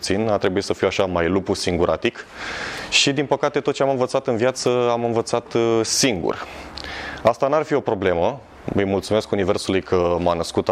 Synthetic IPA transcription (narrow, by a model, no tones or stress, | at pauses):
t̪sinat̪ɾe̞buit̪səfiwaʃamajlupusiŋɡuɾʔat̪ik | ʃid̪inpəkat̪e̞t̪ot̪̚t͡ʃeamɨnvət̪sat̪ɨnvjat̪səamɨnvət̪sat̪siŋɡṵr | ast̪anarfio̞pɾo̞ble̞mə | əjmult̪sume̞skunive̞rsulujkʰəmanəskut̪